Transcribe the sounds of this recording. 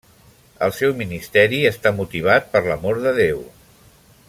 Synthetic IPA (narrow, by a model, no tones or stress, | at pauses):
ə̰lˠsɛwminist̪ɛɾiəst̪amut̪iβ̞at̪̚pəɾləmoɾðəðew